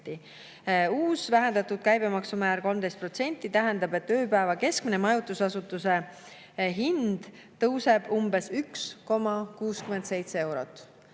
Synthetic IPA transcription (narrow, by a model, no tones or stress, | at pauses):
t̪ːi | uːsvæɦend̪ɑt̪ud̪̥̚kæjb̥e̞mɑksumæːɾko̞lmd̪est̪pro̞t̪se̞nʲt̪ːˑit̪æɦend̪ɑbe̞t̪ːø̞ːpæevɑke̞skminemɑjut̪ːˑusɑsut̪ːˑuse̞ | ɦind̪̥ | t̪ɤwse̞b̥umbe̞syksko̞mɑkuːskyme̞nd̪se̞jt̪see̞wɾo̞̰t̪ːˑ